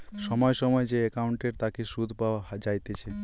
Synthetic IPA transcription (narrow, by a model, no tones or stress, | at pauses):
sɔmɔjsɔmɔjed͡ʒeekauɳʈeɾt̪akisud̪ʱbad͡ʒajt̪et͡ʃʰe